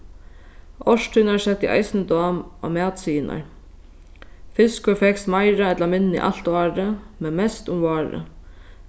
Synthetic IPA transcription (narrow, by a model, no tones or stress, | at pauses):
ʔɔʂʈ̪ʰʏnaɹsɛt̪ɪʔa̰jsnəd̪ɔːma̰mæːt̪siːnʔa̰ɹ | fɪskʊfɛksmaɪɾaɛt̪lamɪnːḭʔa̰l̥t̪ɑːɾə | mɛnmɛst̪ʊmvɑːɾə̰